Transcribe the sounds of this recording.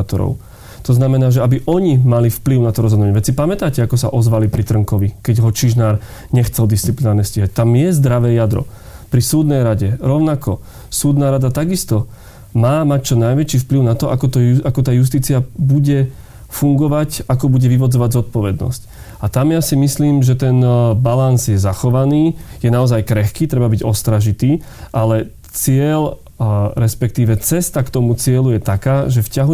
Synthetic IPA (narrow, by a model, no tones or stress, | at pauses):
t̪ɔ̰ɾɔ̰ʊ | t̪ɔznamɛnaːʒɛabiʔɔɲimalifpliʊnat̪ɔɾɔzɦɔd̪ʊaɲɛʋɛt͡sipamɛt̪aːcɛakɔsa̰ʔɔzʋalipɾit̪r̩ŋkɔʋikɛɟɦɔt͡ʃiʒnaːɾ | ɲɛxt͡sɛld̪ist͡siplinaːɾɲɛsciɦac̚t̪amjɛzd̪ɾaʋɛːjad̪ɾɔ̰ | pɾisuːd̪nɛjɾaɟɛɾɔʊnakɔ | suːd̪naːɾad̪at̪aɡist̪ɔ | maːmac̚t͡ʃɔnajʋɛt͡ʃifpliʊnat̪ɔʔakɔt̪ɔuakɔt̪aːjus̬t̪iːt͡siabuɟɛ | fuŋɡɔʋacakɔbuɟɛʋiʋɔd͡zɔʋaɟzɔt̪̚pɔʋɛd̪nɔ̰sc | at̪amjasimisliːmʒɛt̪ɛnbalanzjɛzaxɔʋaniːjɛnaɔzajkɾɛxkiːt̪ɾɛbabiɟɔst̪ɾaʒit̪iːʔalɛ | t͡sɪɛl | ɾɛspɛkt̪iːʋɛt͡sɛst̪akt̪ɔmut͡sɪɛlujɛt̪akaːʒɛfcaɦu